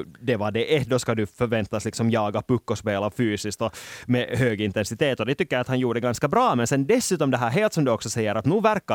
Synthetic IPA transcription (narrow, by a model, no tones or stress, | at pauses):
d̪ɛʋɑd̪ɛʔɛd̪ɔskɑd̪ʉfœɾʋɛnt̪ːɑslɪksɔmjɑːɡɑpɵkːɔspeːlafyːsɪskt̪ɔmɛɦøːɡɪnt̪ɛnsɪt̪eːt̪ɔd̪ɛt̪ʏkːəɾɑt̪hɑnjuːɖɛɡɑnskɑbɾɑːmɛnsɛnd̪ɛsːʉːt̪ɔmd̪ɛɦæːɾɦeːlt̪sɔmd̪ɵɔksɔsɛjːəɾɑt̪nʉːvæɾkːɑ